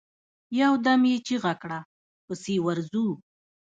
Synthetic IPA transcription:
jawd̪amjet͡ʃeɣakɽa | pəsewaɾzu

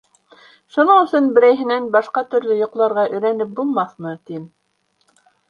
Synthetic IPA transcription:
ʃunɤɴɵ̆sɵnbɘ̆ɾæjɦɘ̆nænbɑʃqɑt̪ɵ̆ɾlɵjŏqlˠɑɾʁɑʔɵ̆jɾænɘp̚bulˠmɑθmɤt̪im

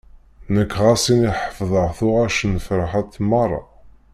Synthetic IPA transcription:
nəkːʁæsiniħə̥fðˤəʁθʊʁæʃənfɾəħæt̪ːmɑrˤːɑ̰

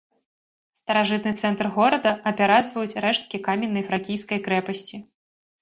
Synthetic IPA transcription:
st̪ɐɾaʐɨt̪nɨt̪sɛnt̪rɣɔɾɐd̪ɐɐpʲaɾad̪zvɐjut͡sʲɾɛʂt̪̚kʲikamʲɛnːɐjfɾakʲijskɐjkɾɛpɐsʲt͡sʲi

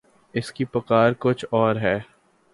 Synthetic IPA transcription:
ɪskipɐkaːɾkʊt͡ʃʰɔːɾɦɛː

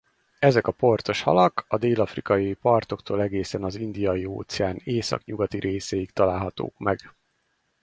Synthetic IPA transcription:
ɛzɛkɒpo̞rt̪o̞ʃhɒ̰lɒkɒd̪eːlɒfrikɒjpɒrt̪o̞kt̪ʰoːlɛɡeːsɛnɒzind̪ijɒjio̰ːt̪sɛaːneːsɒ̰kɲuɡɒt̪iɾʔeːsɛjikt̪ɒlaːlɦɒt̪o̰ːkmɛɡ

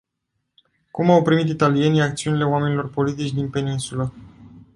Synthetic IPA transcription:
kumawpɾimit̪it̪alije̞nijakt̪siunile̞oame̞nilo̞rpo̞lit̪̬it͡ʃʲd̪inpe̞ninsulə

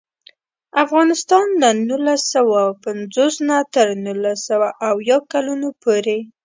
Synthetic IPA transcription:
afɣɑnɪst̪ɑnd̪ənulasawapanzosnat̪əɾnulasawaʔawjɑkalunopʰoɾe

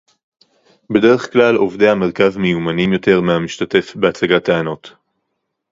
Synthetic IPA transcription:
be̞de̞ʁ̞e̞χklalo̞vdehameʁkavmejumanimjo̞te̞ʁmeamiʃtate̞fbeat͡saɡataano̞t

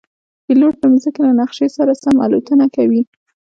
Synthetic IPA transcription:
b̪̥iloʈ̚ləmzəkelanaxʃesaɾasama̰lot̪ənakawi

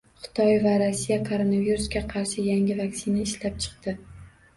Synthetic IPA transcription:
χʊ̥t̪ʰɒjvaɾosːijakʰoɾonaviɾusɡʲaqʰɑɾʃɪjaŋʲɪvaksɪnaɪʃlap̚t͡ʃʰɨ̥qt̪ɪ

